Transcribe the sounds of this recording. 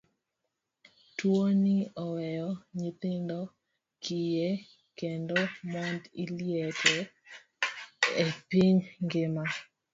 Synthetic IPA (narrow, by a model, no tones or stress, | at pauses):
twoniɔwɛjɔɲit̪ɪndɔ | kʰije | kendomɔndiljɛkɛ | epiɲŋɡɪma